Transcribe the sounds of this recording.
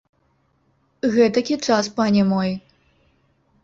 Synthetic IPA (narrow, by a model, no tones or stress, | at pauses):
ɣɛt̪ɐkʲit͡ʂaspanʲɛmɔj